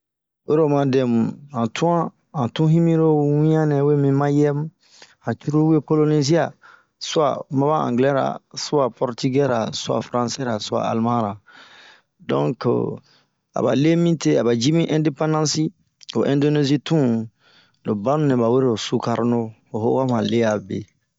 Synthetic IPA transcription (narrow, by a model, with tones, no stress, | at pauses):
we˦ɾo˨mã˨dɛ˨mu˨ã˨tʰũ˦ã˦ | ã˨tũ˦ɦĩ˦mĩ˦ɾo˦wĩ˦ã˦nɛ̃˨we˦mĩ˦mã˦jɛ˦m | ã˨t͡ʃu˦ɾu˦we˦ko˦lo˦ni˦zi˦a˨ | su˦a̰˨mã˦ba˦ã̰˨ŋɡlɛ˦ɾa̰˨su˦a˨pɔ˨ɾti˦ɡɛ˦ɾa̰˨su˦a̰˨fɾã˦˨se˦ɾa˨su˦a̰˨a̰˨lmã˦ɾa˨ | dɔ̰̃˦ŋk | a̰˨ba̰˨le˦mĩ˦te˦a˨ba˨d͡ʒi˦mĩ˦ʔɛ̃˦nde˦pã˦ndã˦si˦ | o˨ʔɛ̃˨ndo˦ne˦zi˦tũ˦ | lo˨bã˦nũ˦nɛ̃˨ba˨we˦ɾe˨o˨su˦ka˨ɾno˦ | o˨ɦo˦ka˦mã˨le˦ja˨bḛ˨